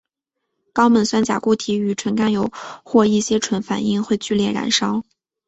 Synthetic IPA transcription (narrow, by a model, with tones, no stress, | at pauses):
kɑ˥ʊmə˨˩nswa˥˩nt͡ɕja̰˨˩ku˥˩t̪ʰi˧˥y˨˩ʈ͡ʂʰwə˧˥nka˥njo˨˩ʊxwɔ˥˧i˥˩ɕjɛ˥ʈ͡ʂʰwə˧˥nfa̰˨˩ni˥˧ŋxwe˥˧ɪt͡ɕy˥˧ljɛ˥˩ɻa̰˧˥nʂɑ˥ʊ